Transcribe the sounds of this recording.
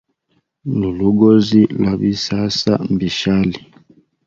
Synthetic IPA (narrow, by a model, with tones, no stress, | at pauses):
lu˨lu˦ɡo˦zi˦la˨bi˦sa˦sa˦m˨bi˨ʃa˦li˨